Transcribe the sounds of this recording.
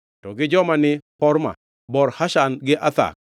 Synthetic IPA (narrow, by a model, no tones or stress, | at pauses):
tɔɡɪd͡ʒɔmanɪpɔɾma̰ | bɔɾhaʃanɡɪʔat̪a̰k̚